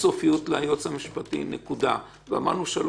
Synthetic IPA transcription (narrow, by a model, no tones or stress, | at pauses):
sofijutleajot͡shamiʃpatḭnekuda̰ | vea̰ma̰ʁnuʃal